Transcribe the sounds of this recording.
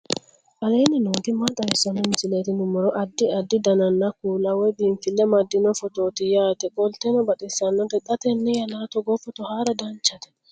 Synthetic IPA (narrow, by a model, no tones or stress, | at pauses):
ʔalejninodimadasanɔnd͡ʒiletinumɔɾɔʔadːiadːidananːakulawebinfilːɛmadːinɔfɔtotijatɛkɔltɛnɔbaɗisanːɔdɛɗatɛnːɛjanatɔɡɔfɔtɔhaɾadaɲt͡ʃatɛ̥